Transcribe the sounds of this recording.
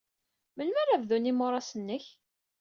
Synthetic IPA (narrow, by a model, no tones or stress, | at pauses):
mənmæɾavðunimʊɾˤɑsənːəç